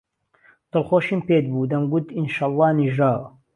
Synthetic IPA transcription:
t̪ɨlxoːʃiːmpeːd̪̚buːd̪ɐmɡut̪inʃɑlˤˠːɑːniʒɾaːw

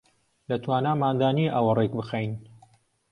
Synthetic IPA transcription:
lɐt̪ʰwaːnaːmaːnd̪aːniʔɐwɐrek̚bɨxejn

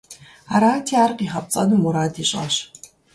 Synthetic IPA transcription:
aɾaːtʰiaːrqʼiχɐp̚t͡sʼɐdɨmuɾaːtʰiːɕʼɐ̰ɕ

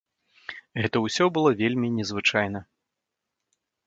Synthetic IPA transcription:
ɣɛt̪ɐwsʲɔbɨlˠɔvʲelʲmʲinʲɛzvɨt͡ʂajn̪ɐ

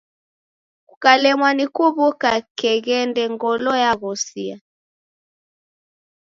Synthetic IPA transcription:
kukalɛmwanikuβukakɛɣɛndɛŋɡɔlɔjaɣɔsia̰

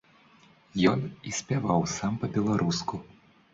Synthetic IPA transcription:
jɔnisʲpʲavawsampɐbʲɛlˠaɾʔusku

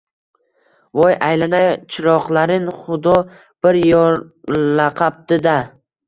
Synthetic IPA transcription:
vɒjajlanajt͡ʃʰɪɾɒqlaɾɪnχʊd̪ɒ | b̥ɪɾjɒlaqʰɑp̚t̪ɪd̪a

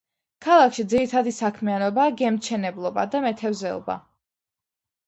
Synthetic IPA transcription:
kʰalˠakʰʃid̪ziɾit̪ʰad̪isakʰmianɔbaːɡɛmt͡ʃʰɛnɛblˠɔbad̪amɛt̪ʰɛvzɛɔ̰ba̰

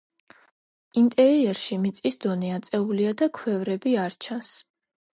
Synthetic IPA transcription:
int̪ʼɛɾiɛɾʃimit̪sʼisd̪ɔniat̪sʼɛuliad̪akʰwɛvɾɛbiaɾt͡ʃʰãs

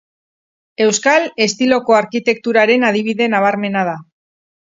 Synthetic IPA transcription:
e̞wskale̞st̪ilo̞ko̞aɾkit̪e̞k̚t̪uɾaɾe̞nað̞iβ̞iðe̞naβ̞aɾme̞nað̞a

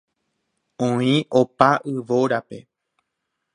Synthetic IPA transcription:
õĩʔopaʔɨʋo̞ɾape̞

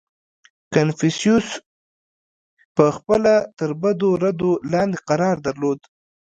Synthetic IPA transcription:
kanfisijus | pəxpəlat̪əɾbad̪oɾad̪olɑnd̪eqaɾɑɾd̪aɾlod̪

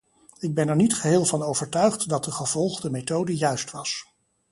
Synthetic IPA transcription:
ɪɡ̚bɛnɛɹnitχəɦɪːlˠvɑnowvəɹtœɥχtdɑt̚dəχəv̥ɔlˠχdəmetowdəjœɥstʋɑs

